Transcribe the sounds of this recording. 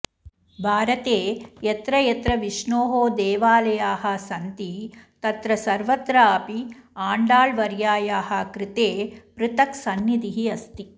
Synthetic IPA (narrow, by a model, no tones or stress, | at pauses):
bʱaːɾɐt̪eːjɐt̪ɾɐjɐt̪ɾɐʋiʃɳoːɦoːd̪eːʋaːlɐjaːɦɐ̆sɐnt̪it̪ɐt̪ɾɐsɐɾʋɐt̪ɾaɐpiaːɳɖaːɭʋɐɾjaːjaːɦɐkɾɪt̪eːpɾɪt̪ɐksɐnːjid̪iɦiɐst̪i